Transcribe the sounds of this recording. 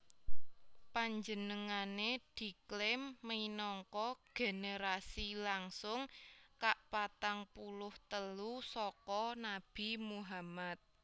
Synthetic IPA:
paɲd͡ʒənəŋaned̪̥i̤klɪmːəinɔŋkɔɡ̥e̤neɾasilaŋsʊŋkaʔpat̪aŋpulʊht̪əlusɔkɔnab̥i̤muɦamat̪̚

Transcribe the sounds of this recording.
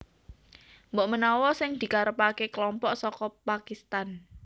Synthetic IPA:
mbɔʔmənɔwɔsɪŋd̪̥i̤kaɾəpakekəlɔmpɔʔsɔkɔpakist̪an

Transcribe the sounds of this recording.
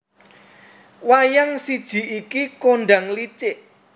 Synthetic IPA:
wajaŋsid̥ʒ̥i̤ʔikikonɖaŋlit͡ʃɪʔ

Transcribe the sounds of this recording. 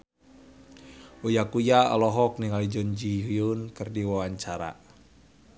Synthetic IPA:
ujakuja̰lɔɦɔk̚niŋalid͡ʒɔɲd͡ʒiɦuunkɨrdiwawaɲt͡ʃaɾa̰

